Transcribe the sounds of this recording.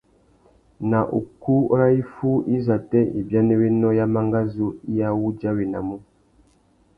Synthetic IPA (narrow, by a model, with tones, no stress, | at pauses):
na˨ʔṵ˨ku˦ɾa˦i˦fu˦i˦za˨tɛ˦ḭ˨bja˦nɛ˦we˦nɔ˦ja˦ma˦ŋɡa˦zu˦ja˦wu˦d͡ʒa˦wi˨na̰˨mu˦